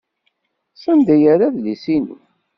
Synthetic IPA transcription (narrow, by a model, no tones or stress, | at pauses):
sˤənd̪æjaɾaðlisinṵ